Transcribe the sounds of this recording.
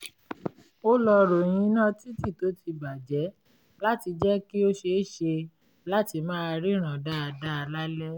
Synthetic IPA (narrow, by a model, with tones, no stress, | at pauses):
o˦lɔ˧ɾo˨j̃ĩ˨˦nã˦ti˦ti˦˨to˨˦ti˧ba˨d͡ʒɛ˨˦ | la˦ti˧d͡ʒɛ˦ki˦o˦ʃe˧˦˨ʃe˧ | la˦ti˧mãː˦a˧ɾi˦ɾ̃ã˨da˦a˧da˦a˧la˦lɛ˦